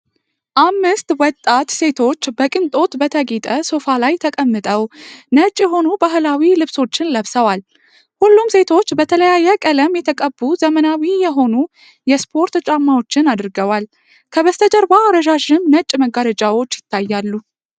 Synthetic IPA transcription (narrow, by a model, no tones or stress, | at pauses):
ʔamːɨst̪wɔt̪ʼːat̪se̞t̪ʰo̞t͡ʃːbəkʼɨnt̪ʼo̞t̪bət̪ʰəɡit̪ʼəso̞falajt̪ʰəkʼəmːɨt̪ʼəwnət͡ʃʼːjɛɦo̞nubaɦlawilɨβso̞t͡ʃːɪnləβsəwal | hulːumse̞t̪ʰo̞t͡ʃːbət̪ʰələjajːɛkʼələmjɛt̪ʰəkʼəbːuzəmənawijɛɦo̞nu | jɛspʰo̞ɾt̪t͡ʃʼamːao̞t͡ʃːɪnad̪ɨɾɡəwal | kʰəβəst̪ʰəd͡ʒəɾbaːɾəʒaʒɪnnət͡ʃʼməɡːaɾəd͡ʒʼawo̞t͡ʃːjɪt̪ːajːalːu